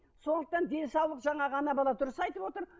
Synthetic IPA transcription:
so̞nd̪əq̚t̪ɑnd̪e̞nsɑwlˠəqʒɑɴɑʁɑnɑbɑlˠɑt̪ʰʊɾəsɑjt̪əpwo̞t̪əɾ

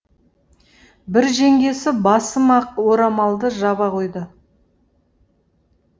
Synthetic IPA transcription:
bɪɾʒeŋɡʲe̞sɪbɑsəmɑq̚wo̞ɾɑmɑlˠd̪əʒɑbɑqʰo̞jd̪ə

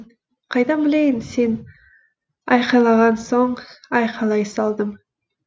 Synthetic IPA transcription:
qʰɑjd̪ɑbɪlejɪnse̞n | ɑjqɑlˠɑʁɑnso̞ɴɑjqʰɑlˠɑjsɑlˠd̪əm

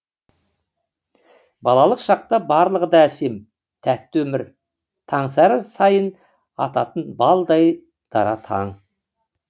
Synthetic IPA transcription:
bɑlˠɑlˠəqʃɑq̚t̪ɑbɑɾlˠəʁəd̪ɑse̞m | t̪ʰæt̪ːwɵmɪɾ | t̪ʰɑɴsɑɾəsɑjən | ɑt̪ɑt̪ənbɑlˠd̪ɑj | d̪̥ɑ̰ɾɑt̪ʰɑ̰ɴ

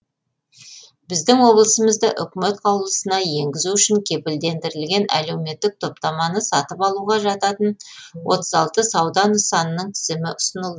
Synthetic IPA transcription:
bɪzd̪ɪŋwo̞blˠəsəməzd̪əʔʏkʲme̞t̪qʰɑwlˠəsənɑje̞ŋɡʲɪzuʏʃɪŋkʲʰe̞pɪld̪e̞nd̪ɪɾɪlɡʲe̞næ̰le̞wme̞t̪ːɪk̚t̪ʰo̞p̚t̪ɑmɑnəsɑt̪əpɑlˠuʁɑʒɑt̪ɑt̪ənwʔo̞̰t̪əzɑlˠt̪əsɑwd̪ɑnəsɑnənəɴt̪ʰɪzɪmɪʔʊsənəlˠd̪əə

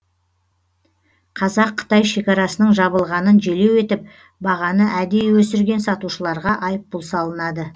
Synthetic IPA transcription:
qʰɑzɑqʰːə̥t̪ɑjʃe̞kʲɑɾɑsənəɴʒɑβəlˠʁɑnənʒe̞le̞we̞t̪ɪp̚ | bɑʁɑnəʔæd̪e̞wɵsɪɾɡʲe̞nsɑt̪uʃəlˠɑɾʁɑʔɑjəp̚bʊlˠsɑlˠənɑd̪ə

